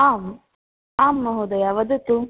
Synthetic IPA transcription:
aːm | aːmːɐɦud̪ɐjaʋɐd̪ut̪u

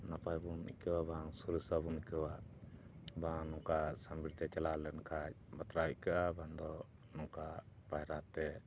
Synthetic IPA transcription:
napajbunḭkəwabaŋsuɾəsabunikəwa | baŋnɔŋkasambiɾt̪ɛt͡ʃɛlalɛnkʰac̚bat̪ɾaickaʔaband̪ɔ | nɔŋkapajɾat̪ɛ

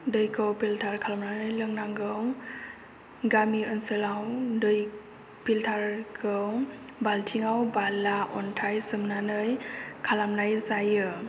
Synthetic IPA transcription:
dɯjkʰɯwpiltʰaɾkʰalamnanɯjlɯŋnaŋɡɯw | ɡamiɯnsɯlawdɯj | piltʰaɾkʰɯw | baltʰiŋawbalaʔɔntʰajsɯmnanɯjkʰalamnajzajɯ

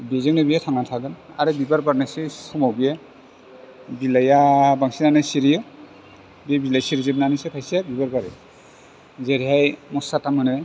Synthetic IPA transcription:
bizaŋnɯbijatʰaŋatʰaɡɯn | a̰ɾɯbibaɾbaɾnasisɔmawbiɛ | bilajabaŋsinanɯsiɾijɯ | biebilajsiɾizeb̚nanisepʰajsijabibaɾbaɾḛ | zeɾiɦajmɔsatamanɯ

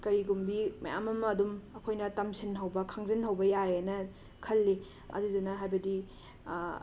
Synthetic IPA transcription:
kɐɾiɡumbimɐ̰ja̰mɐmɐːdumɐkʰojnɐtɐmsʰinɦɐwbɐkʰaŋzinɦɐwbɐjajenɐ | kʰɐlːi | ɐ̰dudɐnɐɦajbɐdi

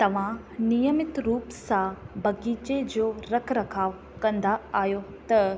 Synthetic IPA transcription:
t̪ɐʋ̤ã | nijəmɪt̪ɾuːpsãbɐɡiːt͡ɕed͡ʑoːɾɐkʰɾɐkʰaːʋ | kɐ̃nd̪aaːjot̪ɐ

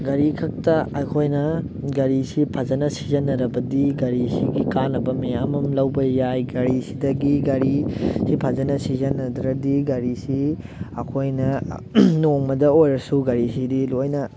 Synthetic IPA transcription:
ɡɐɾikʰɐk̚tɐɐjkʰojnɐ | ɡɐɾisipʰɐzɐnɐsizɐnːɐɾɐbɐdiɡɐɾisiɡikanːɐbɐmɐjamɐmlɐwbɐjajɡɐɾisidɐɡiɡɐɾisipʰɐzɐnɐsizɐnɐdɾɐdiɡɐɾisi | ɐkʰojnɐnoŋmɐdɐojɾɐsuɡɐɾisidilojnɐ

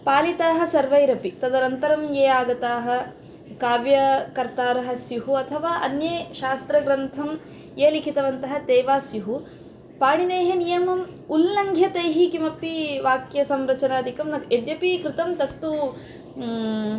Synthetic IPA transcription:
paːlit̪aːɦɐ̆sɐɾʋɐjɾɐpit̪ɐd̪ɐɾɐnt̪ɐɾɐmjeːaːɡɐt̪aːɦɐ̆ | kaːʋjɐkɐɾt̪aːɾɐɦɐ̆sjuɦuɐt̪ʰɐʋaːʔɐnjeːʃaːst̪ɾɐɡɾɐnt̪ʰɐm | jeːlikʰit̪ɐʋɐnt̪ɐɦɐ̆t̪eːʋaːsjuɦu | paːɳid̪eːɦɐnijɐmɐmulːɐŋɡʱjɐt̪ejɦikimɐpiʋaːkjɐsɐmɾɐt͡ʃɐnaːd̪ikɐmnɐked̪jɐpikɾɪt̪ɐmt̪ɐt̪ːu

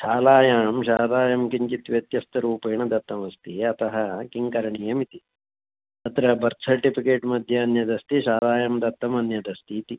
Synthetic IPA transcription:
ʃaːlaːjaːmʃaːlaːjɐmkiɲt͡ʃit̪ʋjɐt̪jɐst̪ɐɾuːpeːɳɐd̪ɐt̪ːɐmɐst̪iɐt̪ɐɦɐkiŋkɐɾɐɳijɐmit̪i | ɐt̪ɾɐbɐɾt̪sɐɾʈipikeːʈmɐd̪ʱjɐɐnjɐd̪ɐst̪iʃaːlaːjɐmd̪ɐt̪ːɐmɐnjɐd̪ɐst̪iːt̪i

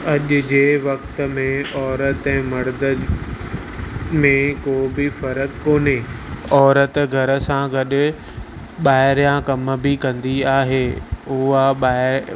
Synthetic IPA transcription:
ɐʄʊ̆d͡ʑeːʋɐkt̪ə̆mẽɔːɾət̪ɛ̃ːmɐɾd̪ə | mẽkoːbɪfɐɾəkkoːneːɔːɾət̪ɡʱɐɾə̆sãɡɐɗʊ̆ | ɓaːɪɾijãkɐmbɪkɐ̃nd̪iaːɦeːʊaɓaːɪ

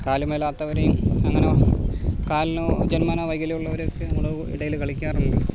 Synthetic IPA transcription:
kaːlumelaːt̪ːɐʋɐɾejumɐŋːɐne | kaːlnod͡ʑenmaːnɐʋɐjɡilɐjuɭːɐoɾokːɨuɽɐʋɨḭɽɐjilkɐɭikʲːaːrunlo

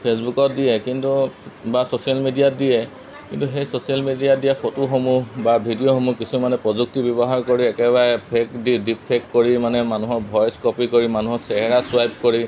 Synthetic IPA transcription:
pʰesbukɔt̚dijɛkintubasosijalmidijadijɛ | kintuxejsosialmidijadijapʰotuxomubabʱidijoxomukisumanɛpɹɔzuk̚tibɔbɔɦaɹkoɹiɛkɛbaɹɛpʰekdidipʰekkoɹimanɛmanuɦɔɹbʱɔjskɔpikoɹimanuɦɔɹsɛɦɛɹasʊwajp̚koɹi

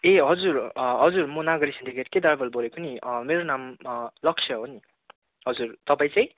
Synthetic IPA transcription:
eɦʌd͡zuɾɦʌd͡zuɾmonaɡʌɾisind̪iɡet̪ked̪aɾbʌlbolekoniʌmeɾonamlʌkt͡ʃʰʌɦoni | ɦʌd͡zuɾt̪ʌpaĩt͡saj̃

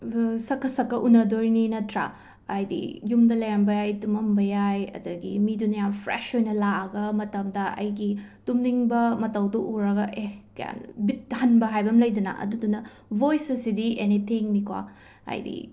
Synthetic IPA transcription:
sɐkʰːɐsɐkːɐʔunːɐdoɾninɐtʰɾɐ̰ | ɐjdḭjumdɐlɐjɾɐmbɐjajtumɐmbɐjajɐ̰dɐɡḭmidunɐjampʰɾḛʃojnɐlaɐɡɐmɐtɐmdɐʔɐ̰jɡitumniŋbɐmɐtɐwduʔuɾɐɡɐʔehkɐja̰nbit̚hɐnbɐɦajbɐmlɐjdɐnɐ̰ʔɐ̰dudunɐ | bojsɐsidienit̪ʰiŋnikwa̰ | ɐ̰jdḭ

